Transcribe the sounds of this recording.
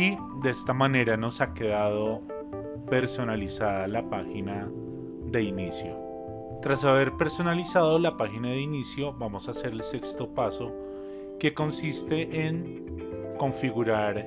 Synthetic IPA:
i | d̪eest̪amane̞ɾano̞sake̞ðaðo̞ | pe̞ɾso̞nalisaðalapaxina | ðe̞inisjo̞̰ | t̪ɾasaβe̞ɾpe̞ɾso̞nalisað̞o̞lapaxinaðeinisjoβamo̞sase̞ɾelse̞kst̪o̞paso | ke̞ko̞nsist̪e̞ʔeŋ | ko̞ɱfiɣuɾaɾ

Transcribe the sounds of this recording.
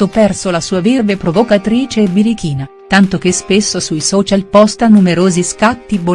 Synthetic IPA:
opɛrsolasuːavirvepɾovokat̪ɾiːt͡ʃeːbiɾikiːnat̪ant̪okespesːosujsɔːt͡ʃalpɔst̪anumeɾoːziskat̪ːibo

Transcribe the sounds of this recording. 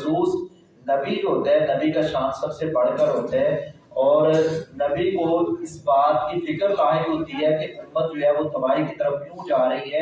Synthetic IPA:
suːs | nɐbiɦoːt̪aɦɛnɐbikaʃãːnsɐbsebɐɽ̤kəɾɦoːt̪aɦɛ̃ː | ɔːɾnɐbikoɪsbaːt̪kifɪkəɾlaːɦɪlɦoːt̪iɦɛkeʔʊmːət̪̚d͡ʒoɦɛʋot̪ɐbaːikit̪ɐɾəflũːd͡ʒaːɾɐɦiɦɛ̃ː

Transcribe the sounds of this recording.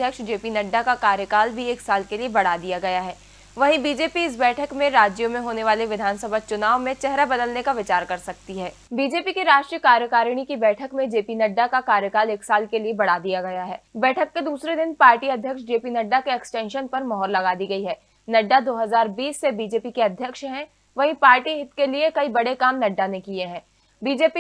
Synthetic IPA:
jəkʃd͡ʒeːpinɐɖːakakaːɾjəkaːlbʱieːksaːlkeliebɐɽ̤aːd̪ijaɡɐjaɦɛː | ʋɐɦĩbiːd͡ʒeːpiɪs̬bɛːʈʰəkmẽɾaːd͡ʒjomẽɦoːneʋaːleʋɪd̪ʱaːnsəbʱat͡ʃʊnaːʋmẽt͡ʃɛɦɾabɐd̪əlnekaʋɪt͡ʃaːɾkɐɾsɐk̚t̪iɦɛː | biːd͡ʒeːpikeɾaːʃʈɾijəkaːɾjəkaːɾɽ̃ikibɛːʈʰəkmẽd͡ʒeːpinɐɖːakakaːɾjəkaːleːksaːlkeliebɐɽ̤aːd̪ijaɡɐjaɦɛːbɛːʈʰəkːed̪uːsɾed̪ɪnpaːɾʈiɐd̪ʱjəkʃd͡ʒeːpinɐɖːakeɛksʈɛ̃ːnʃənpɐɾmɔɦɔːɾlɐɡaːd̪iɡɐiɦɛː | nɐɖːad̪oːɦɐzaːɾbiːsːebiːd͡ʒeːpikeɐd̪ʱjəkʃɦɛ̃ | ʋɐɦĩpaːɾʈiɦɪt̪keliekɐibɐɽekaːmnɐɖːanekieɦɛ̃ː | biːd͡ʒeːpi

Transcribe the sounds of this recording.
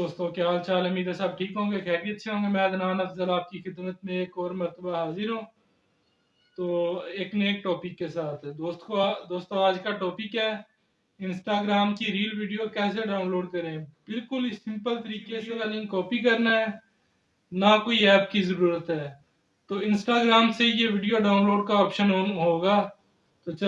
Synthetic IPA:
d̪oːst̪õːkjaːlt͡ʃaːləmiːɾasaːb̚ʈʰiːkɦõːŋɡexɛːkiətːʃʰeɦõːŋɡemɛ̃ːɡ̪ənãːnɐfzəlaːp̚kixɪd̪mət̪mẽeːkɔːɾməɾt̪əbaɦaːzɪɾɦũː | t̪oːeːkneːkʈɔːpɪkːesaːt̪ʰɛd̪oːst̪kod̪oːst̪õaːd͡ʒkaʈɔːpɪkɛː | ɪ̃nsʈaːɡɾaːmkiɾiːəlʋɪːɖijokɛːseɖaːʊnloːɖkɐɾẽb̥ɪlkʊlsɪ̃mpəlt̪əɾiːkeselanɪ̃iŋkɔːpikɐɾnaɦɛː | nakoːiɛːp̚kizəɾuːɾət̪ɦɛː | t̪oːɪ̃nsʈaːɡɾaːmsejeʋɪːɖijoɖaːʊnloːɖkaɔːpʃənoːɦoːɡaː | t̪ot͡ʃ

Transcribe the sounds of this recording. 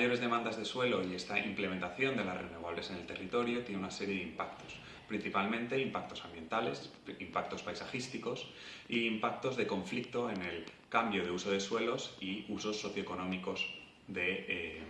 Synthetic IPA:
jo̞ɾe̞zðe̞mãnd̪azðe̞swe̞lo̞ie̞st̪aimple̞ment̪aθjo̞nd̪e̞larenoβaβ̞le̞se̞ne̞lt̪e̞rit̪o̞ɾjo̞t̪jeneunase̞ɾje̞ðeimpakt̪o̞̥s | pɾin̟θipalmẽ̞nt̪e̞impak̚t̪o̞sambje̞nt̪ale̞s | impak̚t̪o̞spajsaxist̪iko̞s | iːmpak̚t̪o̞zðe̞ko̞ɱflik̚t̪o̞ene̞l | kambjo̞ð̞e̞uso̞ð̞e̞swe̞lo̞siuso̞sːo̞θjoeko̞nõ̞miko̞z | ðe̞

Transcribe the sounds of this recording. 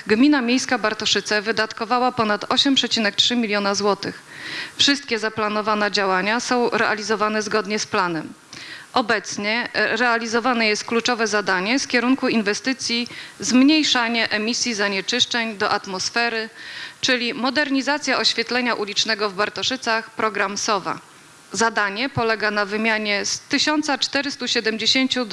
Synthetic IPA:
ɡmʲinamʲjejskabaɾt̪ɔʂɘt̪sɛvɘd̪at̪kɔvawapɔnat̪ʰɔɕɛmpʂɛt͡ɕinɛk̚tʂɘmʲilʲjɔnazwɔt̪ɘx | fʂɘst̪̚kʲɛzaplanɔvanɛd͡ʑawaɲasɔ̃w̃ɾɛʔalʲizɔvanɛzɡɔd̪ɲɛsplan̪ɛm | ʔɔbɛt̪sɲɛɾɛalʲizɔvanɛjɛst̪̚klut͡ʂɔvɛzad̪aɲɛfkʲɛɾuŋkuinvɛst̪ɘt̪sʲjizmɲejʂaɲɛʔɛmʲisʲjizaɲɛt͡ʂɘʂt͡ʂɛɲd̪ɔʔat̪mɔsfɛɾɘt͡ʂɘlʲimɔd̪ɛɾɲizat̪sʲjaʔɔɕfʲjɛt̪lɛɲaʔulʲit͡ʂnɛɡɔvbaɾt̪ɔʂɘt̪saxpɾɔɡɾamsɔva̰ | zad̪aɲɛpɔlɛɡanavɘmʲjaɲɛst̪ɘɕɔnt̪sat͡ʂt̪ɛɾɘst̪uɕɛd̪ɛmd͡ʑeɕeɲt͡ɕu

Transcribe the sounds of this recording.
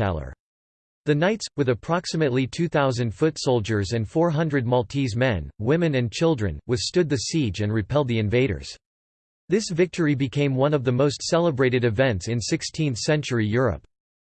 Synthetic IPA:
ɛ̰lˠə̰˞ | ðɨnaɪtswɨðɨpʰɹ̥ɑksɨmɨtˡlitʰʉθaʊzɨ̃nd̥fʊtsoʊlˠd͡ʒə˞zɨ̃nfɔɹɦʌ̃ndɹɨd̚mɑlˠtʰizmɛ̃nwɪ̃mɨ̃nɨ̃nt͡ʃʰɪlˠdɹɨ̰̃nwɨð̥stʊd̪̚ðɨsid͡ʒɨ̃nɹɨpʰɛlˠd̪̚ðiɨ̃ɱveɪɾə̰˞z̥ | ðɪsvɪk̚tʰə˞ibɨkʰẽɪ̃mwʌ̃nʌvðɨmoʊstsɛlˠəbɹeɪɾɨɾɨvɛ̃ntsɨ̃nsɪkstʰĩnθsɛ̃nt͡ʃə˞ijʊɹɨ̰p̚

